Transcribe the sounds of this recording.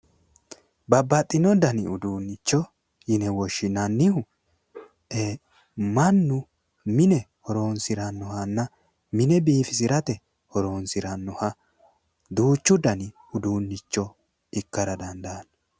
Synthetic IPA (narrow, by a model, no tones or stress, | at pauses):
bɐbːɐt̪ʼːɪnɔd̪ɐnɪʊd̪uːnːɪt͡ʃːɔ | jɪnɛwɔʃːɪnɐnːɪhʊ | e | mɐnːʊ | mɪnɛhɔɾoːnsɪɾɐnːɔhɐnːɐ | mɪnɛbiːfɪs̬ɪɾɐt̪ɛ | hɔɾoːnsɪɾɐnːɔhɐ | d̪uːt͡ʃːʊd̪ɐnɪ | ʊd̪uːnːɪt͡ʃːɔ | ɪkːɐɾɐd̪ɐnd̪ɐːn